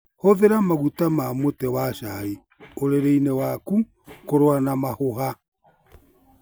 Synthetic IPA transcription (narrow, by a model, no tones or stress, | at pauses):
hoðeɾamaɣutamamotɛwaʃai | oɾeɾeinɛwaku | koɾwanamahoɦa